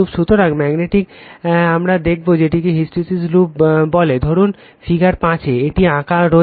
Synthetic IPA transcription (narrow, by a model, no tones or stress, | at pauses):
ubʃut̪oɾaɡmɛɡneʈikamɾad̪ek̚ʰbod͡ʑeʈikiɦisʈisislupbɔled̪ʱoɾun | fiɡaɾpãt͡ɕʰeeʈiãkaɾo